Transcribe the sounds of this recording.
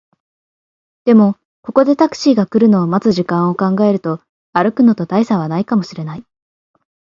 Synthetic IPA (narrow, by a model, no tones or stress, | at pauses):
d̪̥e̞mo̞ | ko̞ko̞d̪e̞t̪akɯ̟̥ɕiːɡakɯ̟ɾɯ̟no̞ːmazɨʑikãɰ̃o̞kãŋɡae̞ɾɯ̟t̪o̞ | aɾɯ̟kɯ̟no̞t̪o̞t̪aisaβ̞anaikamo̞ɕiɾe̞nai